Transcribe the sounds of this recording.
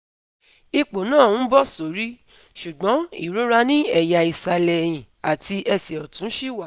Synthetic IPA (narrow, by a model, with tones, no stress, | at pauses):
i˧k͡po˨nãː˦˨˦bɔ˦so˨ɾi˦ | ʃu˨ɡ͡bɔ̃˨˦ḭ˦˨ɾo˦ɾa˧nĩ˦ɛ˨ja˨i˨sa˧lɛ˨j̃ĩ˨ | a˨ti˧ʔɛ˧sɛ˨ɔ˨tũ˨˦ʃi˦˨wa˦˨